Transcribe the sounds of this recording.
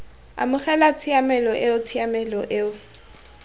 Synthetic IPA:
a̰mʊχɛlat͡sʰiamɛlɔʔeʊt͡sʰɪamɛlɔʔeʊ

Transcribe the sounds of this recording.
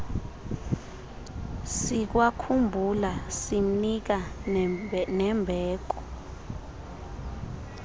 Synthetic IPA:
sik̬wakʰumbʱulasim̩nik̬a | nɛmbʱɛːk̬ɔ̥

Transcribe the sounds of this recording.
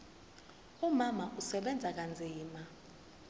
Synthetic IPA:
umamaʔusɛɓɛnd͡zʱak̬and͡zʱiːma

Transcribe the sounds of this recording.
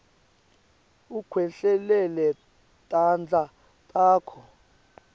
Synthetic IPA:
ukʰwɛɬɛlɛlɛ | tʼand͡ɮʱa | tʼaːkʰɔ

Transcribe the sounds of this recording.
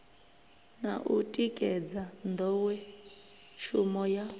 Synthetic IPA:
naʔutʼikʼɛd͡zand̪ɔwɛ | ʃumɔja

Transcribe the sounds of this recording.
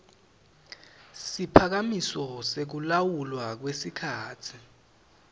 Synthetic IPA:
sipʰak̬amisɔsek̬ulawulwak̬wesikʰaːtʰi

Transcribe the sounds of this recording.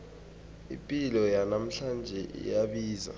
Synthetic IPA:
ḭmpʼilɔjanam̩ɬand͡ʒʱɛʔḭjaɓiːza̰

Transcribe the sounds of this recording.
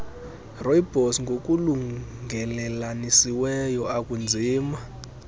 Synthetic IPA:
rɔjibʱɔsŋɡʱok̬ʼuluŋɡʱɛlɛlanisiwɛjɔakund͡zʱiːma

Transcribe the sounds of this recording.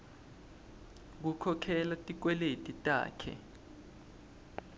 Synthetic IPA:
k̬ukʰɔkʰɛlatʼik̬wɛletʼitʼa̰ːkʰɛ̰

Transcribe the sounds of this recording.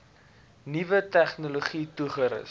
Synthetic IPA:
nivətæχnuloχituχəɾə̰s

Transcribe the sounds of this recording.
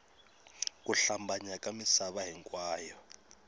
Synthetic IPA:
k̬ʼuɬambaɲakʼamisaβaɦiŋkʼwaːjɔ

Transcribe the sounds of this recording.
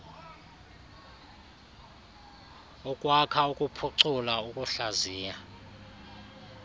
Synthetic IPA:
ukʼwakʰaukʼupʰuǀulaukʼuɬaziːja

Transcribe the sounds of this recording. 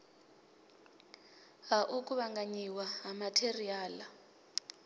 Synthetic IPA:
ɦaʔuk̬ʼuβaŋɡaɲiwaɦamatʰeriaːla

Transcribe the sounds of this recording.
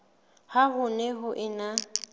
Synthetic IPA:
haɦʊnɛɦʊʔɪna

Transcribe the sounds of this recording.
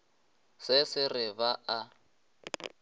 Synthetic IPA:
sɪsɪrɪβaʔa

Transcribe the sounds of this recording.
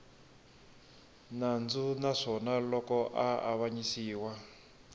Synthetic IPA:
nand͡zunaʂɔnalɔkɔʔaa̰βaɲisiːwa

